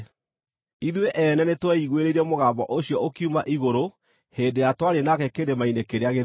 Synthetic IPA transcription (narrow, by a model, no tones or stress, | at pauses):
iðweʔɛnɛnetwɛiɣweɾeiɾɛmoɣaːmbɔʔoɕijɔokiumaʔiɣoɾo | heːndejatwaɾenakɛkeɾemainekeɾeaɣe